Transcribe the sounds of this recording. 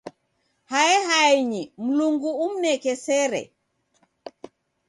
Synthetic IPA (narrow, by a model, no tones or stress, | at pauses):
haɛhaiɲim̩luŋɡuum̩nɛkɛsɛɾɛ̰